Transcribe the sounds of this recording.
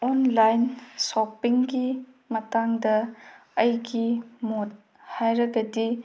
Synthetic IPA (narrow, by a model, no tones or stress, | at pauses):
ɔnlajnsopiŋɡi | mɐtaŋdɐːjɡimot̚ | hajɾɐɡɐdi